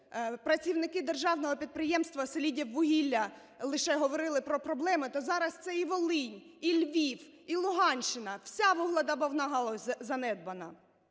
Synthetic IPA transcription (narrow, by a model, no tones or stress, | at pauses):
pɾɐt͡sʲiwnɪkɪd̪erʒɑwnɔɦɔpʲid̪̚pɾɪjɛmst̪ʋɐselʲidʲiwːʊɦʲilʲːɐ | lˠɪʃɛɦɔʋɔɾɪlˠɪpɾɔpɾɔblˠɛmɪt̪ɔzɑɾɐst̪sɛiʋɔlˠɪnʲilʲʋʲiw | ilˠʊɦɑnʲt͡ʃːɪnɐwsʲaʋuɦlʲˠɐd̪ɐbɐwnɑɦɐlˠɔsʲzɐnɛd̪̚bɐnɐ